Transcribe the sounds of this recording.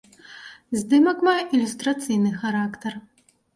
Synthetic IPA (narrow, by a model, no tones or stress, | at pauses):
zʲd̪ɨmɐkmajɛʔilʲust̪ɾat̪sɨjnɨxaɾakt̪ɐr